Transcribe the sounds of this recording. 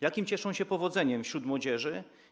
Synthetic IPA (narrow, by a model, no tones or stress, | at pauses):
jakʲimt͡ɕɛʂɔ̃w̃ɕɛpɔvɔd̪zɛɲɛmfɕɾut̪mwɔd͡ʑɛʐɘ